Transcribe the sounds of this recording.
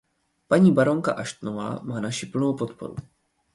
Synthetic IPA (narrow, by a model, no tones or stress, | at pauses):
paɲiːbaɾo̞ŋka̰ʔaʃt̪nova̰ːmaːnaʃipl̩nowpot̪po̞̰ɾṵ